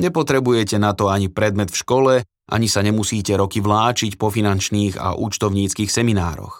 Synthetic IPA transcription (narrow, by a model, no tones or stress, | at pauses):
ɲɛpɔt̪ɾɛbujɛcɛnat̪ɔaɲipɾɛd̪mɛt̪fʃkɔlɛ | ʔa̰ɲisaɲɛmusiːcɛɾɔkiʋlaːt͡ʃicpɔfinant͡ʃniːɣa̰ʔṵːt͡ʃt̪ɔʊɲiːt͡skiːxsɛminaːɾɔ̰x